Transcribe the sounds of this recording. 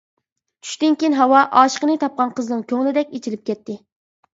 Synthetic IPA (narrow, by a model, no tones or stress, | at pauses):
t͡ʃʰy̥ʃt̪ɪnkʲinɦɑwɑʔɑːʃə̥qənɨt̪ʰɑp̚qɑnqʰəznɨŋkʲʰøŋlɪd̪ɛkʲet͡ʃʰilɪp̚kʲʰɛt̪ːɪ